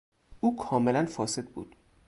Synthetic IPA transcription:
ʔuːkʰɒːmelænfɒːse̞d̪̚bṵːd̪̥

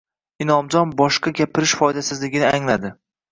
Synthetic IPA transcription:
ɪnɒmd͡ʒɒnbɒʃqaɡʲapʰɪɾɪʃfɒjd̪asɪzlɪɡʲɪnɪaŋlad̪ɪ

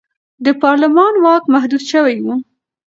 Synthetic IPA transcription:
d̪əpɑɾlɪmɑnwɑkmahd̪ud̪ʃəwajwu

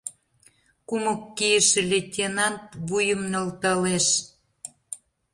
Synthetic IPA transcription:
kumokːijəʃĕlʲetʲenɑnt̪̚βujə̆mnəlt̪əleʃ

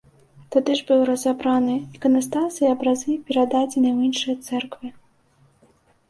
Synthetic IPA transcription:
t̪ad̪ɨʐbɨwrɐzabɾanɨikɐnast̪asɨjɐbɾazɨpʲɛɾad̪ad͡zʲɛnɨwinʂɨjɐt̪sɛrkvɨ

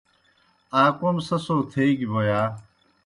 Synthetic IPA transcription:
aːkomsɐsoːt̪ʰeiɡiboːjaː

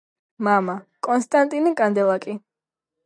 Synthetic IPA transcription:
mamakʼɔnst̪ʼant̪ʼinikʼand̪ɛlˠakʼi

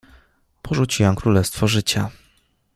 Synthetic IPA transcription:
pʰɔʐut͡ɕiwamkɾulɛst̪fɔʐɘt͡ɕa

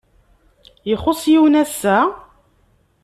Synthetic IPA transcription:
jəχʊsˤjiwnæsːæ

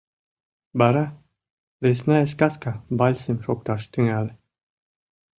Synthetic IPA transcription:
baɾa | ɾesnaeskaskabalʲsəmʃok̚t̪aʃt̪ɨŋale

